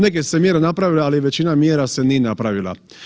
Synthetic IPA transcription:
ɲɛk̬ɛcsɛmɪɛɾnapɾaʋilaalɛʋɛt͡ʃinamɪɛɾasɛninapɾaʋila̰

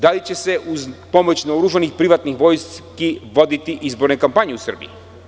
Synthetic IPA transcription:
d̪alit͡ɕɛsɛʔuzpɔmɔt͡ʃnaoɾuʒanixpɾivat̪nixvɔjskivod̪it̪iʔizbɔɾnɛkampaɲiusr̩bḭi

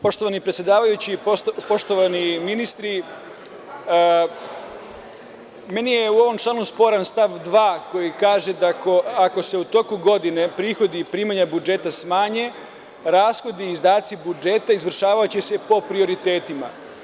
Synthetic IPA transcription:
po̞ʃt̪o̞ʋanipɾet̪sjed̪aːʋajut͡ɕipopo̞ʃt̪o̞ʋaniminist̪ɾi | me̞nijeuo̞ʋo̞mt͡ʃlaːnuspo̞ɾanst̪aʋd̪ʋaːko̞jikaːʒe̞d̪ako̞ako̞se̞ut̪o̞kuɡo̞d̪ine̞pɾiːxo̞d̪ipɾiːmaɲabud͡ʒe̞t̪asmaːɲe̞ | ɾaːsxo̞d̪iːzd̪aːt̪sibud͡ʒe̞ːt̪aizʋr̩ʃaːʋajut͡ɕese̞po̞pɾio̞ɾit̪e̞ːt̪ima̰

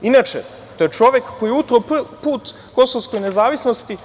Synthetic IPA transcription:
inat͡ʃḛ | t̪o̞jet͡ʃo̞ʋjekːojiut̪ɾoppuːt̪ | ko̞soʋsko̞jnezaːʋisno̞st̪i

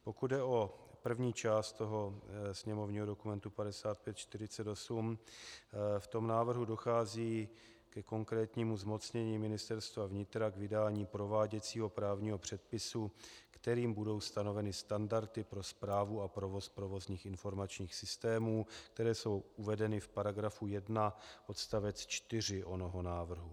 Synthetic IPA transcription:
po̞kud̪̚dɛʔo̞pr̩vɲiːt͡ʃaːst̪t̪o̞ɦo̞sɲɛmo̞vɲiːɦo̞do̞kumɛnt̪upadɛsaːt̪̚pjɛt̪t͡ʃt̪ɪɾɪt͡sɛt̪o̞sum | ft̪o̞mnaːvr̩ɦudo̞xaːziː | kɛko̞ŋkɾɛːt̪ɲiːmuzmo̞t͡sɲɛɲiːmɪnɪst̪ɛɾst̪vavɲɪt̪ɾaɡvɪdaːɲiːpɾo̞vaːɟɛt͡siːɦo̞pɾaːvɲiːɦo̞pr̝̥ɛt̪̚pɪsukt̪ɛɾiːmbudo̞wst̪ano̞vɛnɪst̪andaɾt̪ɪpɾo̞spɾaːvuapɾo̞vo̞spɾo̞vo̞zɲiːxɪnfo̞ɾmat͡ʃɲiːxsɪst̪ɛːmuːk̚t̪ɛɾɛːso̞wʔuvɛdɛnɪfpaɾaɡɾafujɛdnaʔo̞t̪st̪avɛt͡st͡ʃt̪ɪr̝ɪʔo̞noɦo̞naːvr̩ɦu

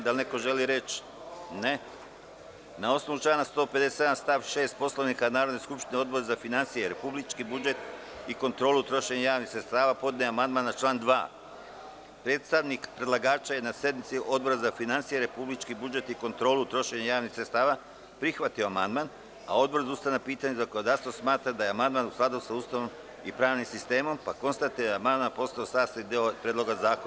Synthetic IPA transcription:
d̪alne̞ko̞ʒe̞liɾe̞t͡ʃ | ne | nao̞sno̞ʋut͡ʃaːnast̪o̞ːpe̞d̪eseed̪anst̪aʋʃe̞ːst̪̚po̞sloʋnikanaːɾo̞d̪neskupʃt̪ineo̞d̪bo̞ɾezafinansijeɾe̞publit͡ʃkibud͡ʒe̞t̪ | iko̞nt̪ɾo̞ːlut̪ɾo̞ʃe̞ɲajaːʋnixsɾet̪st̪aːʋaːpo̞d̪neamand̪manːat͡ʃlˠaːnd̪ʋa̰ː | pɾeːt̪st̪aʋnikpɾe̞d̪lˠaɡaːt͡ʃaje̞nasje̞d̪mit̪siʔo̞d̪̚bo̞ɾazafinant̪sijeɾe̞publit͡ʃkibud͡ʒe̞t̪iko̞nt̪ɾo̞ːlut̪ɾo̞ʃe̞ɲajaːʋnixsɾet̪st̪aːʋa | pɾixʋat̪io̞ama̰nd̪man | a̰o̞d̪bo̞ɾzaust̪anapiːt̪aɲezakonod̪ast̪vosmaːt̪ɾad̪ajeamand̪manusklad̪usauːst̪aʋo̞m | ipɾaːʋnimsist̪e̞ːmo̞mpako̞nst̪at̪ijed̪amand̪manpo̞st̪aosaːst̪aid̪eopɾʲeːd̪lˠo̞ɡazaːko

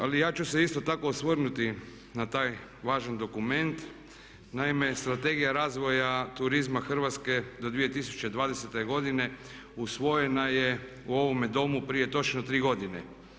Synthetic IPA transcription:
alijaːt͡ʃuseist̪ot̪ako̞ːsʋərnut̪i | nat̪aːj | ʋaːʒand̪o̞kume̞nt̪ | naime̞st̪ɾat̪e̞ɡijaɾaːzʋo̞jat̪uɾizmaxr̩ʋat̪ske̞d̪o̞d̪ʋijet̪isu̥t͡ʃed̪ʋaːd̪eset̪eɡo̞d̪ine̞ | usʋo̞jenaje | uo̞ʋomed̪o̞mupɾije̞t̪o̞t͡ʃnot̪ɾiːɡo̞d̪ine

